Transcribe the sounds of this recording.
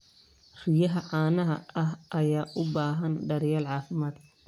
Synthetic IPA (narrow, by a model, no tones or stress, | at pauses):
r̥ɪjɐɦɐʕɑːnɐɦɐ̰ɐɦʔɐjaːʔʊbaːɦɐnɖɐɾɪjɐːlʕɑːfɪmaːd̪̥